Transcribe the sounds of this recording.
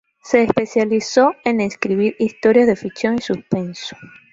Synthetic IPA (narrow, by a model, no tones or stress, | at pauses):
se̞ːspe̞sjaliso̞eneskɾiβiɾist̪o̞ɾjazðe̞fiksjo̞nisuspe̞nso̥